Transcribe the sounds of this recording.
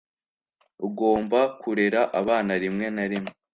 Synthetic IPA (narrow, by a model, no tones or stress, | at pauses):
uɡo̞ːmbakʰuɾe̞ɾaʔaβaːnaɾimŋe̞naɾimŋee